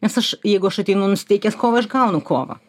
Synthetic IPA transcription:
nʲɛsɐʃjɛɪɡʊɐʃɐt̪ʲɛɪnɐʊnʊsʲɪ̥t̪ʲɛɪkʲeːskoːʋɐɪʃɡɐʊnʊkoːʋɐ̰

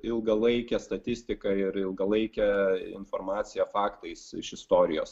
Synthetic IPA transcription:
ɪlˠɡɐlˠɐɪkʲɛst̪ɐt̪ʲɪsʲt̪ʲɪkɐɪɾɪlˠɡɐlˠɐɪkʲɛɪ̰nfoːrmɑːt̪sʲɪjɛfɑːkt̪ɐɪsɪʃɪst̪oːɾʲɪjo̰ːs

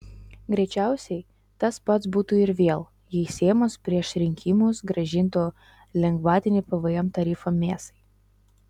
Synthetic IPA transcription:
ɡɾʲɛɪt͡ʃʲæˑʊsʲɛɪ | t̪ɐtspɐt̪sbuːt̪uːɪɾʋʲeːlˠ | jisʲeːmoːspʲɾʲiɛʃɾʲɪŋʲkʲimuːsɡɾɐʒʲɪnt̪oː | lʲɛŋɡʋɑːt̪ʲɪnʲɪːpɐʋɐjɛmt̪ɐɾʲiːfomʲeːst̪ɐɪ

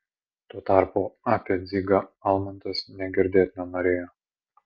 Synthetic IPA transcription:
t̪uɔt̪ɑˑɾpuːaːpʲɛd̪zʲiːɡɐɐlˠmɐnʲt̪ɐsnʲɛɡʲɪɾʲd̪ʲeːt̪ʲnʲomɐɾʲeːjo

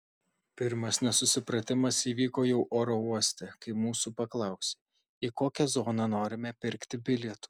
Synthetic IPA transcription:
pʲɪɾmɐsnʲɛsʊsʲɪpɾɐt̪ʲɪmɐsiːʋʲiːkoːjɛʊʔoːɾouɔsʲt̪ʲɛkɐɪmuːsupɐklˠɐˑʊsʲeː | ikoːkʲɛzoːnɐnoːɾʲɪmʲɛpʲɪɾʲkt̪ʲɪbʲɪlʲɛt̪u̥ː

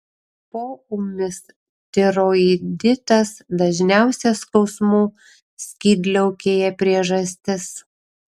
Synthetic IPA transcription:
poːʊmʲɪs | t̪ʲɪɾoːid̪ʲɪt̪ɐsd̪ɐʒʲnʲæˑʊsʲɛskɒʊsmuː | sʲkʲiːd̪ʲlʲɛʊkʲeːjɛpʲɾʲiɛʒɐsʲt̪ʲɪs

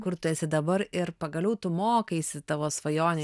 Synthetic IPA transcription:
kʊɾt̪ʊɛsʲɪd̪ɐbɐɾɪɾpɐɡɐlʲɛʊt̪ʊmoːkɐɪsʲɪt̪ɐʋoːsʋɐjoːnʲe

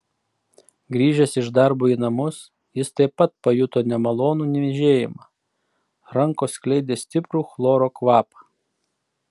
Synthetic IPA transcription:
ɡɾʲiːʒʲɛsʲɪʒd̪ɑɾbuːinɐmʊs | jɪst̪ɐɪpːɐt̪̚pɐjʊt̪oːnʲɛmɐlˠoːnuːnʲɛʋʲɪʒʲeːjɪmɑ | ɾɐŋkoːsklʲɛɪd̪ʲeːsʲt̪ʲɪpɾuːxlˠoːɾoːkʋɑːpɐ

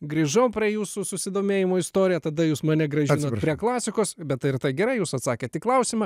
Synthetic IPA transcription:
ɡɾʲiːʒɐʊpʲɾʲiɛjuːsʊsʊsʲɪd̪oːmʲeːjɪmoːɪst̪oːɾʲɪjɛt̪ɐd̪ɐjuːsmɐnʲɛɡɾɐʒʲɪnoːpɾʲiɛklˠɑːsʲɪkoːsbʲɛt̪ɪɾt̪ɐɪɡʲɛɾɐɪjuːsɐt̪sɑːkʲeːt̪ʲɪklˠɐʊsʲimɐ

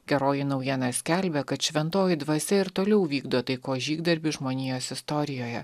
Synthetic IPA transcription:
ɡʲɛɾoːjɪnɒʊjiɛnɑsʲkʲæˑlʲbʲɛkɐt̪ʃʲʋʲɛnt̪oːjɪd̪ʋɐsʲɛɪɾt̪oːlʲɛʊʋʲiːɡd̪oːt̪ɐɪkoːʒʲiːɡd̪ɐɾʲbʲɪʒmoːnʲiːjoːsʲɪst̪ɔɾʲɪjoːjɛ

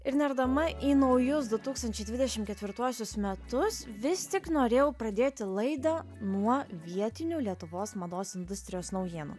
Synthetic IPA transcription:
ɪɾnʲɛɾd̪ɐmɐʔiːnɐʊjʊsd̪ʊt̪uːkst̪ɐnʲt͡ʃʲɛɪd̪ʲʋʲɪd̪ʲɛʃʲɪmkʲɛt̪ʲʋʲɪɾt̪uɔsʲʊsmʲɛt̪ʊsʋʲɪst̪ʲɪknoːɾʲeːjɛʊpɾɐd̪ʲeːt̪ʲɪlˠɐɪd̪ɐnuɔʋʲiɛt̪ʲɪnʲulʲiɛt̪ʊʋoːsmɐd̪oːsɪnd̪ʊsʲt̪ʲɾʲɪjoːsnɒʊjeːnṵ

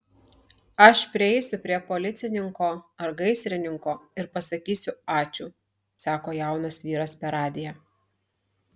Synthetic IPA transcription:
ɐʃpʲɾʲɪɛɪsʲʊpʲɾʲiɛpoːlʲɪt̪sʲɪnʲɪŋkoːɐɾɡɐɪsʲɾʲɪnʲɪŋkoːɪɾpɐsɐkʲiːsʲʊɑːt͡ʃʲuː | sɑːkoːjæˑʊnɐsʋʲiːɾɐspʲɛɾɑːd̪ʲɪjɛ

